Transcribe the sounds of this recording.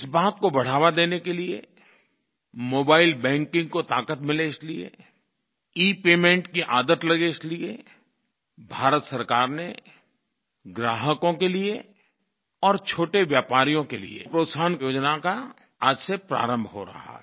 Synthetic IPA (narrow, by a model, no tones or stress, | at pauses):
ɪsbaːt̪kobɐɽ̤aːʋad̪eːnekeliḛ | moːbaːɪlbɛ̃ːŋkɪ̃ŋɡ̚kot̪aːkət̪mɪleɪsliḛ | iːpeːmẽːɳʈkiʔaːd̪ət̪lɐɡeɪslie | bʱaːɾət̪sɐɾkaːɾne | ɡɾaːɦəkõkelie | ɔːɾt͡ʃʰoːʈeʋjaːpaːɾijõkelḭḛpɾoːt̪saːnjoːd͡ʒnaka | ad͡ʒsepɾa̰ːɾə̃mbʱɦo̰ɾɐ̰ɦa̰ɦ